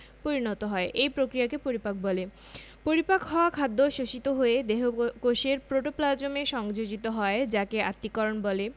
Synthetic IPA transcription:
poɾinɔt̪oɦɔeʔejpɾokɾijakepoɾipak̚bɔle | poɾipakɦɔoakʰad̪ːoʃoʃit̪oɦoed̪eɦokoʃeɾpɾoʈoplad͡ʑomeʃɔŋd͡ʑod͡ʑit̪oɦɔed͡ʑakeat̪ːikɔɾonbɔle

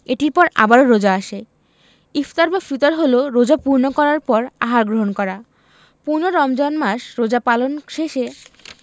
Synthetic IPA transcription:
eʈiɾpɔɾa̰baɾoɾod͡ʑaaʃe | ifʰt̪aɾbafit̪oɾɦoloɾod͡ʑapuɾnokɔɾaɾpɔɾa̰ɦaɾɡɾoɦonkɔɾa | puɾnoɾɔmd͡ʑɔnmaʃɾod͡ʑapalonʃeʃe

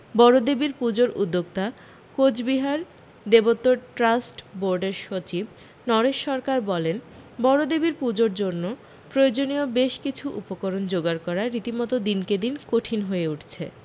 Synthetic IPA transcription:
bɔɾod̪ebiɾpud͡ʑoɾʔṵd̪ːoɡ̚t̪a | kod͡ʑbiɦaɾ | d̪ebot̪ːoʈɾasʈboɾɖeɾʃot͡ɕib | nɔɾeʃːɔɾkaɾbɔlenbɔɾod̪ebiɾpud͡ʑoɾd͡ʑonːo | pɾojod͡ʑoniobeʃkit͡ɕʰuʔṵpokoɾond͡ʑoɡaɾkɔɾaːit̪imɔt̪od̪inked̪inkoʈʰinɦoeuʈʰt͡ɕʰḛ

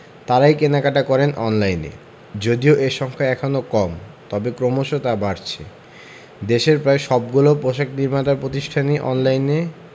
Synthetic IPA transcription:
t̪aɾajkenakaʈakɔɾenʔɔnlajnḛ | d͡ʑod̪ioʔeʃɔŋkʰaɛkʰonokɔmt̪ɔbekɾomoʃot̪abaɾt͡ɕʰḛ | d̪eʃeɾpɾaeʃɔb̚ɡulopɾoʃakniɾmat̪aɾpɾot̪iʃʈʰaniʔɔ̰nlajne

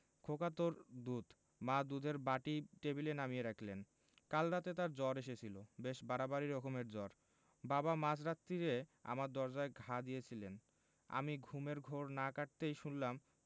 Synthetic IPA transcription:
kʰokat̪oɾd̪ud̪ | mad̪ud̪ʱeɾbaʈiʈebilenamieɾakʰlen | kalɾat̪et̪aɾd͡ʑɔɾeʃ̬et͡ɕʰilobeʃbaɾabaɾiɾɔkomeɾd͡ʑɔɾ | babamad͡ʑɾat̪ːiɾea̰maɾd̪ɔɾd͡ʑaeɡʱad̪ijet͡ɕʰilen | a̰miɡʱumeɾɡʱoɾnakaʈ̚t̪ejʃunlam

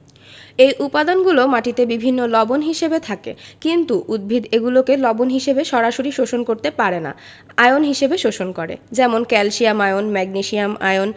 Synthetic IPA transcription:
ejʔupad̪anɡulomaʈit̪ebibʱinːolɔbonɦiʃebet̪ʰakḛkint̪uʔud̪̚bʱid̪eɡulokelɔbonɦiʃebeʃɔɾaʃoɾiʃoʃonkoɾt̪epaɾena̰ | ajonɦiʃebeʃoʃonkɔɾḛd͡ʑɛmonkɛlʃiamaeonmɛɡniʃiama̰jon

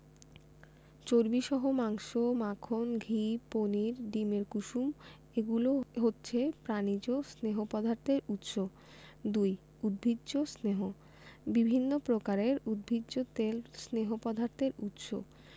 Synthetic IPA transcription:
t͡ɕoɾbiʃɔɦomaŋʃomakʰonɡʱiponiɾɖimeɾkuʃum | eɡuloɦotːɕʰepɾanid͡ʑosneɦopɔd̪ʱaɾt̪eɾut̪ʃo | d̪uj | ud̪̚bʱidd͡ʑosneɦo | bibʱinːopɾokaɾeɾud̪̚bʱidd͡ʑot̪elsneɦopɔd̪ʱaɾt̪eɾut̪ʃo̰

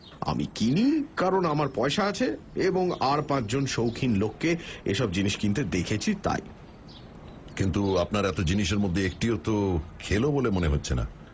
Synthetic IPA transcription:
a̰mḭkinikaɾonamaɾpɔeʃaat͡ɕʰe | eboŋaɾpãt͡ɕd͡ʑonʃowkʰinlokːeḛʃɔb̚d͡ʑiniʃkint̪ed̪ekʰet͡ɕʰit̪a̰j | kint̪uapnaɾɛt̪od͡ʑiniʃeɾmod̪ʱːeek̚ʈiot̪okʰelobolemoneɦotːɕʰena̰

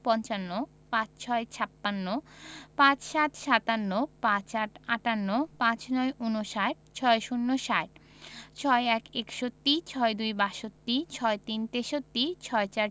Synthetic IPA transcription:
pɔnt͡ɕanːo | pãt͡ɕt͡ɕʰɔet͡ɕʰapːanːopãt͡ɕʃat̪ʃat̪anːopãt͡ɕaʈaʈanːopãt͡ɕnɔeʔunoʃaʈt͡ɕʰɔeʃunːoʃaʈ | t͡ɕʰɔeɛkekʃot̪ːit͡ɕʰɔed̪ujbaʃot̪ːit͡ɕʰɔet̪int̪eʃot̪ːit͡ɕʰɔet͡ɕaɾ

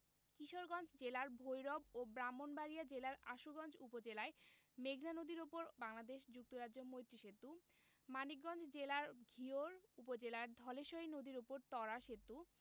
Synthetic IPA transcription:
kiʃoɾɡɔnd͡ʑd͡ʑelaɾbʱojɾɔbobɾamːonbaɾijad͡ʑelaɾaʃuɡɔnd͡ʑʰupod͡ʑelaemeɡnanod̪iɾopoɾbaŋlad̪eʃd͡ʑuk̚t̪oɾaomojt̪ɾiʃet̪ːu | manikɡɔnd͡ʑd͡ʑelaɾɡʱioɾupod͡ʑelaɾd̪ʱɔleʃoinod̪iɾopoɾt̪ɔɾaʃet̪ːu

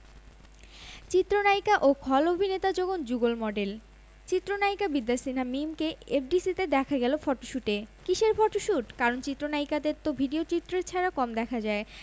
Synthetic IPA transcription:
t͡ɕit̪ːɾonajkaʔokʰɔlobʱinet̪ad͡ʑoɡond͡ʑuɡolmɔɖel | t͡ɕit̪ːɾonaikabid̪ːasinamimkeepʰɖisit̪ed̪ɛkʰaɡɛlofɔʈoʃuʈekiʃeɾfɔʈoʃuʈkaɾont͡ɕit̪ːɾonaikad̪eɾt̪obʱiɖiot͡ɕit̪ːɾeɾt͡ɕʰɛɾakɔmd̪ɛkʰad͡ʑae

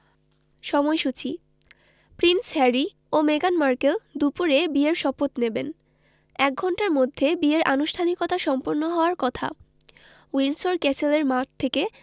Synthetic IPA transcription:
ʃɔmɔeʃut͡ɕʰi | pɾinsɦɛɾi | omeɡanmaɾkeld̪upuɾebieɾʃɔpot̪neben | ɛk̚ɡʱɔɳʈaɾmod̪ʱːebieɾʔanuʃʈʰanikɔt̪aʃɔmpoɾnoɦɔoaɾkɔt̪ʰa̰ | winsoɾkɛt͡ɕeleɾmat̪ʰːeke

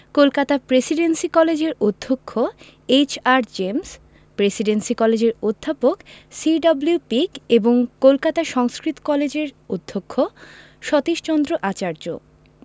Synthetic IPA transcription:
kolkat̪apɾesiɖensikɔled͡ʑeɾod̪ʱːokʰːo | et͡ɕaɾd͡ʑems | pɾesiɖensikɔled͡ʑeɾod̪ʱːapoksiɖɔbliupikeboŋkolkat̪aʃɔŋskɾit̪o̥kɔled͡ʑeɾod̪ʱːokʰːo | ʃɔt̪iʃt͡ɕɔnd̪ɾoʔat͡ɕaɾd͡ʑo̰

